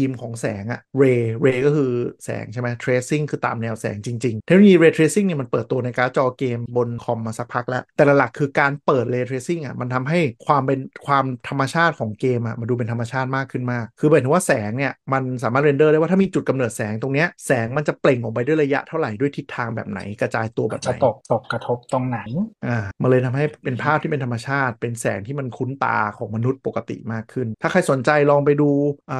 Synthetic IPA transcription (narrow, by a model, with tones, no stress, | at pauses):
iː˧mkʰɔː˩˦ŋsɛː˩˦ŋʔa̰˨˩ɾeː˧ɾeː˧kɔː˥˩kʰɯː˧sɛ̰ː˩˦ŋt͡ɕʰa˥˩jma˦˥jt̪ʰɾeː˦˥si˥˩ŋkʰɯː˧t̪a̰ː˨mnɛː˧wsɛ̰ː˩˦ŋt͡ɕi˧ŋt͡ɕi˧ŋt̪ʰe˦˥no˧jiː˧ɾeː˧t̪ʰɾeː˦˥si˥˩ŋni˥˩ma˧npəɤː˨˩t̪ːu˧ɐ˧na˧jkaː˨˦˥t͡ɕɔː˧keː˧mbo˧nkʰɔ˧mːa˧sa˦˥k̚pʰa˦˥k̚lɛ˦˥ʔt̪ɛː˨˩la˨˩la˨˩kʰːɯː˧kaː˧npɤː˨˩t̪̚ɾeː˧t̪ʰɾeː˦˥si˥˩ŋʔa̰˨˩ma˧nt̪ʰa˧mɦa˥˩jkʰwaː˧mpe˧nkʰwaː˧mt̪ʰa˧mːa˧t͡ɕʰaː˥˩t̪̚kʰɔː˩˦ŋkeː˧mʔa̰˨˩ma˧duː˧pe˧nt̪ʰa˧mːa˧t͡ɕʰaː˥˩t̪̚maː˥˩kʰːɯ˥˩nmaː˥˩kʰːɯː˧˨˩waː˥˩sɛː˩˦ŋni˥˩ɐma˧nsaː˩˦aː˥˩t̪̚ɾe˧ndɤː˥˩ɾaː˥˩w̪ːʰa˥˩mː˧t͡ɕu˨˩ka˧mnɤː˨˩t̪̚sɛː˩˦ŋt̪o˧ŋni˦˥ɐsɛː˩˦ŋma˧nt͡ɕa˨˩ple˨˩ŋʔɔ˨˩pa˧jdu˥˩˨jɾla˧ja̰˦˥ʔt̪ʰa˥˩wɾa˨˩jdu˥˩jt̪ʰi˦˥t̪ʰːaː˧ŋbɛ̰ː˨˩p̚na̰˩˦jkɾa˧t͡ɕaː˧jt̪u˧ɐbɛ̰ː˨˩m̰˧˨˦o˨˩p̚t̪o˨˩p̚kɾa˧t̪ʰo˦˥p̚t̪o˧ŋna˨˩˦jʔaː˧˩ma˧nlɤː˧jt̪ʰa˧mɦa˥˩jpe˧npʰaː˥˩p̪̚ʰiː˥˩pe˧nt̪ʰmːa˧t͡ɕʰaː˥˩t̪̚pe˧nsɛː˩˦ŋt̪ʰiː˥˩ma˧nkʰu˦˥nt̪a̰ː˧kʰɔː˩˦ŋma˧nu˦˥t̪̚po˨˩kːa˧t̪ḭ˨˩maː˥˩kʰːɯ˥˩nt̪ʰaː˥˩kʰa˧jso˩˦nt͡ɕa˧jlɔː˧ŋp̬a˧jduː˧ʔəː˨˩